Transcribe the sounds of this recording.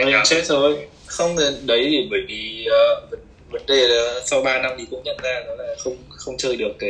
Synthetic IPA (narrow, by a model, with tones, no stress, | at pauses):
ə˨˦˨sɛ˦˥t̚zo˨˩j | xə˧wŋ͡mɗə˨˦jt̪e˧˩ɓəː˧˩jvi˨˩əː˨˩və˨˦n | və˨˦nɗe˨˩laː˨˩sa˧wɓaː˧na˧mɗi˨˩kʊ̰˧˥ŋ͡mɲə̰˧˨nzaː˧nɔ˨˦laː˧˨˩xə˧wŋ͡m | xə˧wŋ͡mt͡ɕəː˨˩jɗɨ˨˩ək̚ː